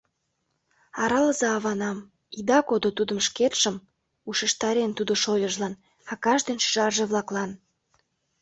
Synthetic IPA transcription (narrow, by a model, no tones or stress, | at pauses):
ɑɾɑləzɑːβɑnɑm | id̪ɑkod̪ot̪ud̪ə̆mʃket̪ʃəm | uʃə̆ʃt̪ɑɾent̪ud̪oʃojəʒlɑn | ɑkɑʒd̪enʃʒɑrʒeβlɑklɑn